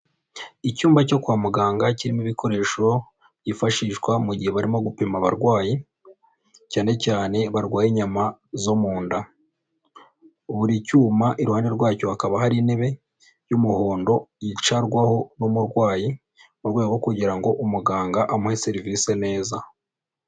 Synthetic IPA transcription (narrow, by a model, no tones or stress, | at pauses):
icuːmbaco̞kuaːmuɡaːŋɡaciɾimiβikʰo̞ɾe̞ːʃo̞ | ɟifaʃiːʃwamuɟiheβaɾimo̞ɡupimaβaɾɡwaːji | caːne̞caːne̞βaɾɡwaːjiɲamazomuːnda | uβuɾicuːmaʔiɾuhaːne̞ɾɡwaːco̞hakaβahaɾiːne̞βe̞ | jumuho̞ːndo̞jit͡ʃaɾɡwaho̞numuɾɡwaːji | βaɾɡwaːjeɡokuɟiɾaŋɡo̞ʔumuɡaːŋɡaʔamuheseɾivise̞ne̞ːza